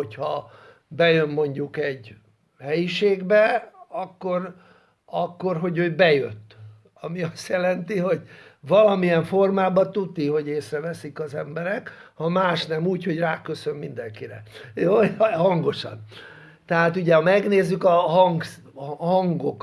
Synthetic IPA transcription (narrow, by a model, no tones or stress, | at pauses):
ochɒ | bɛjø̞mmo̞ɲɟukɛɟ | hɛjiʃeːɡbɛɒkːo̞r | ɒkːo̞rɦo̞ɟøːbɛjø̰t̪ː | ɒmiɒst̪jɛlɛnt̪iɦo̞ɟvɒlɒmiɛɱfo̞rmaːbɒt̪ut̪ːiɦo̞ɟeːsrɛvɛsikɒzɛmbɛɾɛkhɒmaːʃnɛmuːcho̞ɟraːkø̞sø̞mmind̪ɛŋkiɾɛ̰joːhɒŋɡo̞ʃɒ̰n | t̪ɛɦaːt̪uɟɛhɒmɛɡneːzːykɒɦɒŋɡ | hɒŋɡok